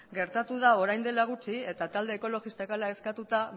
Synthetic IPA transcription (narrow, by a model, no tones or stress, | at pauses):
ɡe̞ɾt̪at̪uðao̞ɾajnd̪e̞laɣ̞ut͡sie̞t̪at̪ald̪e̞ːko̞lo̞ɣist̪akalae̞skat̪ut̪a